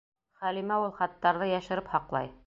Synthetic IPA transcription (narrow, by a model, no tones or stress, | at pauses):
χælimæulˠχɑt̪ːɑɾðɤjæʃɘ̆ɾɘphɑqlˠɑ̰j